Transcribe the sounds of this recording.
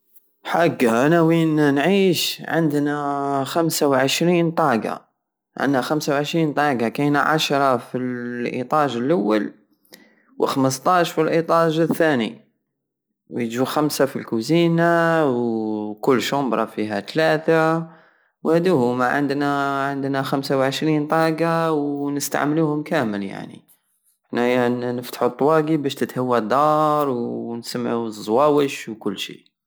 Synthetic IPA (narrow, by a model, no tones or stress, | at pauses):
ħaɡːaʔænæwinnʕiːʃʕə̰nd̪næxæmsawʕəʃɾiːnt̪ˤɑɡa̰ | ʕə̰nd̪naxæmsawʕəʃɾiːnt̪ˤɑɡakinaʕa̰ʃɾˤɑfilʔḭt̪ˤɑʒəlʔawːal | wəxməst̪ˤɑʃfilʔit̪ˤɑʒəθːænḭ | wjd͡ʒuxæmsafilkuzinawkʊlːʃʊmbɾˤɑfiɦæt̪læt̪a | whæd̪uhʊmaʕə̰nd̪naʕənd̪næxæmsawʕəʃɾint̪ˤɑɡawnəst̪a̰ʕmluhʊmkæməlja̰ʕnḭ | næjnəft̪ḁħut̪ˤːwɑɡibæʃt̪ət̪həwːad̪ɑɾˤwnsamːʕuzːwæwəʃwkʊlːʃḭ